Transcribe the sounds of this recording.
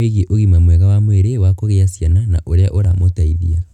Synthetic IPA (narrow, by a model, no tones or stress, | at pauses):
eɣeʔoɣimamwɛɣawamweɾewakoɣeasjanana̰ʔoɾeaʔoɾamotaiðia